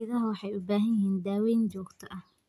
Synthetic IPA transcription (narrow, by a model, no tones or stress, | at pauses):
ɪðɐɦɐwɑħɑjʊbaːɦɐnjɪhiːnd̪aːwɛːnt͡ʃɔːɡt̪ʰɐʔɐh